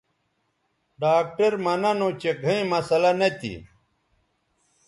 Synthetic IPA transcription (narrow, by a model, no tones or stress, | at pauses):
ɖaːk̚ʈɐɾmɐnɐnõt͡ɕeɡʱɐĩmɐsɐlɐnet̪ḭ